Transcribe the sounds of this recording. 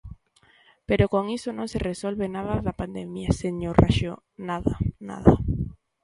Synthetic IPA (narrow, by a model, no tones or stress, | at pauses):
peɾokoŋisonõŋseresolβenaðaðapand̪emjaseŋɲorʔa̰ʃo | naðana̰ða